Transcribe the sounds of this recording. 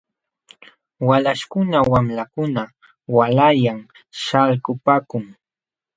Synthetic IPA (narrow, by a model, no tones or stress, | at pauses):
walaʃkʊnawamlakʊna | walajaŋ | ʃalkʊpaːkʊŋ